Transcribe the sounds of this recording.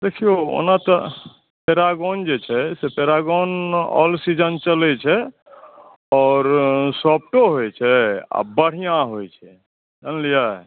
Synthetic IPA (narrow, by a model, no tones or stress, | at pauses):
d̪ekʰijoo̰nat̪ɔ | pʰeɾaɡond͡ʒet͡ʃʰɛsepʰeɾaɡonɔ̰lsid͡ʒənt͡ʃəlɛt͡ʃʰɛ | ɔːɾsɔp̚ʈoɦojt͡ʃʰɛa̰bəɽ̤ijãɦojt͡ʃʰɛ | d͡ʒənlija